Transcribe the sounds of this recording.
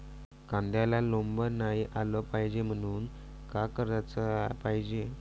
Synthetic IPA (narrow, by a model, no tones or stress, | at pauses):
kãnd̪jalalombəɾnajʔaləpajd͡ʑem̤əɽ̃uːn | kakəɾat͡səpajd͡ʑe